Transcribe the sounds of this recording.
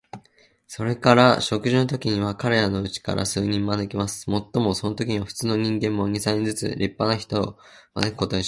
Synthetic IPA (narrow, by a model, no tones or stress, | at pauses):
so̞ɾe̞kaɾaɕo̞kɯ̟ʑinot̪o̞kʲiɲ̟iβakaɾe̞ɾano̞ɯ̟t͡ɕi̥ka̰ɾʔa̰sɨːɲ̟ĩmmanekʲimasɨ̥mo̞t̪ːo̞mo̞so̞no̞t̪o̞kʲiɲ̟iβaɸɯ̥t͡sɨːno̞ɲ̟ĩŋɡẽ̞mːo̞ɲ̟ʲisaɲ̟id͡zɨt͡sɨ̰ɾʲipːanaçi̥t̪o̞̰ma̰nekɯ̟̥ko̞t̪o̞ĩ